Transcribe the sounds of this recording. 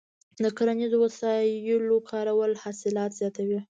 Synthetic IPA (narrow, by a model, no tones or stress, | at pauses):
d̪əkaɾanizowasɑjəlokʰɑɾawəlhɑsɪlɑt̪zjɑt̪awi